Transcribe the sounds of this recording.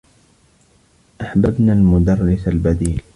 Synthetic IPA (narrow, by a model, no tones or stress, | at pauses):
ʔaħbabnaːlmʊd̪ɑrˤːɪsalbad̪iːl